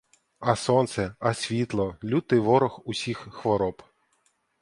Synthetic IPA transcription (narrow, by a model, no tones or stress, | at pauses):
ɐsɔnt̪sɛɐsʲʋʲit̪lˠɔlʲut̪ɪʋɔɾɔxʊsʲixxʋɔɾɔp